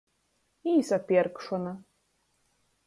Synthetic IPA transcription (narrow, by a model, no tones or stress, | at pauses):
isapʲjɛɾkʂɔna